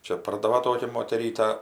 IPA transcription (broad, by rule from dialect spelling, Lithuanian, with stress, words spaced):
ˈt͡ʃʲɛ ˈpɐrdɐʋɐ ˈtoːkʲɛ moːtʲɛˈrʲiːtɐ